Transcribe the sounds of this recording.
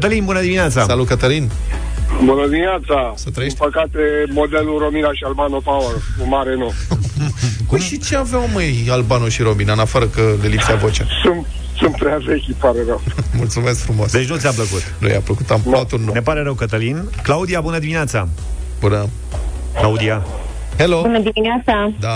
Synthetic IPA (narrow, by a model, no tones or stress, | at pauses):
t̪əlinbunəd̪iminat̪sasalut̪kət̪əlin | bunəd̪imineat̪sasət̪ɾəempəkat̪emod̪eluɾominaʃialbanopawərkumaɾeno | uʃit͡ʃeaveawməjalbanoʃiɾo̞minaɨnafəɾəkəlelipseavot͡ʃasunt̪̚ | sunt̪̚pɾeavekʲipaɾeɾəwmult̪sumes̬kfɾumoasd̪e̞t͡ʃ̬ʲnut̪seap̬ləkut̪nṵja̰pləkut̪amp̪at̪ulnunepaɾe̞ɾəwkət̪əlin | klaud̪ijabunəd̪iminat̪sa | bunə | klaud̪ia | helobunəd̪imineat̪sad̪a